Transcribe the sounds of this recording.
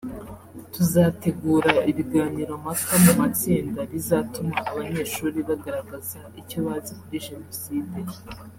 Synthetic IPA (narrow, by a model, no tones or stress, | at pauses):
tuzate̞ɡuːɾaiβiɡaːniɾomakamumat͡siːndaɾizaːtumaʔːβaɲe̞ːʃuːɾiβaɡaɾaɡazaicoβazikuɾiʒe̞no̞siːde